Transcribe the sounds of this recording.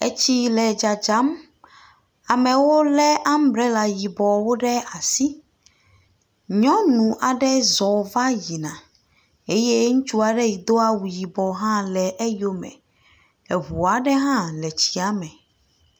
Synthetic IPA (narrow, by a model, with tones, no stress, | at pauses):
e˦t͡ɕi˦lɛ˨d͡ʒa˨d͡ʒa˨˦m | a˨mɛ̃˨wo˦lɛ˦ʔa˦m˦bɾe˦la˨ji˨bɔ˨wo˦ɖɛ˦a˨si˦ | ɲɔ̃˦nũ˨ʔa˨ɖɛ˦zɔ˨va˦ji˨nã˨ | e˦je˦ŋũ˦t͡ʃu˦a˨ɖɛ˦ji˨d̪o˦a˦wu˨ji˨bɔ˨ɦã˦lɛ˨ʔe˦jo˦mɛ̰̃˨ | e˨ɦu˨a˨ɖɛ˦ɦã˦lɛ˨t͡ɕi˦a˨mɛ˨